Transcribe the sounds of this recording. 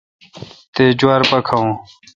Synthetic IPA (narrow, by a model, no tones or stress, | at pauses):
t̪eːd͡ʑwaːɾpɐkʰɐũː